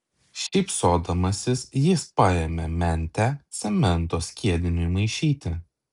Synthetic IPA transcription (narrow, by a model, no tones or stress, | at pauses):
ʃʲɛɪpsoːd̪ɐmɐsʲɪsjɪspɐɾʲemʲɛmʲɛnʲt̪ʲæt̪sʲɛmʲɛnˑt̪oːsʲkʲiɛd̪ʲɪnʲʊɪmɐɪʃʲiːt̪ʲɪ